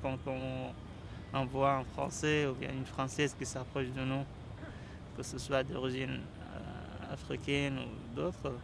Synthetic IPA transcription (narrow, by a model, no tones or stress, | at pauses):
kɑ̃t̪ɔ̃ | ɑ̃vwaɛ̃fχɑ̰̃sɛubjɛ̰̃ynfχɑ̃sɛzkisapχɔʃd̪ənu | kəsəswad̪ɔ̰ʁiʒin | a̰fχikɛnṵ | d̪ot̪χ